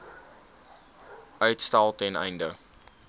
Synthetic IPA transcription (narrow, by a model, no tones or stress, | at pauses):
ʔœɥtstɑlˠtɛnə̰jndə